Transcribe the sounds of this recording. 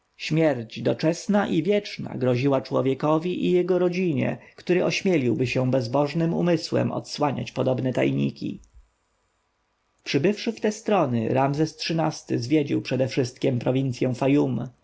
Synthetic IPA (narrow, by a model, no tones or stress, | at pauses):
ɕmʲjɛɾd͡ʑd̪ɔt͡ʂɛsnaʔivʲjɛt͡ʂna̰ɡɾɔʑiwat͡ʂwɔvʲjɛkɔvʲiʔijɛɡɔɾɔd͡ʑiɲɛ̰kt̪uɾɘʔɔɕmʲjɛlʲiwbɘɕɛw̃bɛzbɔʐnɘmṵmɘswɛ̰mʔɔ̰t̪swaɲa̰t͡ɕpɔd̪ɔbnɛt̪a̰jɲḭkʲḭ | pʂɘbɘfʂɘft̪ɛst̪ɾɔnɘ̰ɾamzɛstʂɘnast̪ɘzvʲjɛd͡ʑiwpʂɛd̪ɛfʂɘst̪̚kʲɛmpɾɔvʲint̪sʲjɛ̃w̃fajum